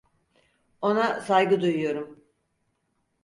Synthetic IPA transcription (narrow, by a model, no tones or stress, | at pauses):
o̞nasajɡɯd̪ujujo̞ɾum